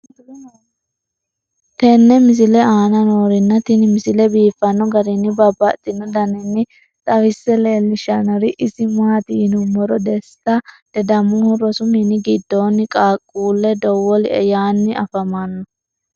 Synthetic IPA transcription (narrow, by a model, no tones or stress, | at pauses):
t̪ɛnːɛmɪsɪlɛaːnɐnoːɾɪnːɐt̪ɪnɪmɪsɪlɛbiːfːɐnːɔɡɐɾɪnːɪbɐbːɐt̪ʼːɪnːɔd̪ɐnɪnːɪ | t̪ʼɐwɪsːɛleːlːɪʃɐnɔɾɪʔɪsɪmaɐt̪ɪnʊmɔɾɔd̪ɛst̪ːɐd̪̥ɛd̪ɐmʊhʊɾɔsʊminɪɡɪd̪ːoːnɪkʼaːkʼːuːlːɛd̪ɔwɔlɪɛ̰jaːnːɪʔɐfɐmanːɔ